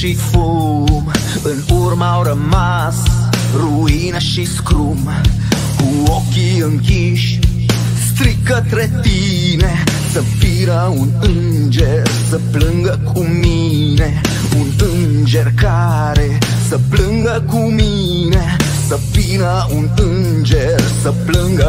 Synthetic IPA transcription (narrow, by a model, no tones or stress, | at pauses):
ʃifo | ɨnurmawɾəma | sruinəʃiskɾum | kuokiɨŋki | ʃ | st̪ɾik̚ːət̪ɾet̪i | ne | səfinə | unɨn | d͡ʒersəplɨŋɡəkʰumi | ne | unɨnnd͡ʒerka | ɾe | səplɨŋɡəkumi | ne | səfinə | unɨn | d͡ʒersəplɨŋɡə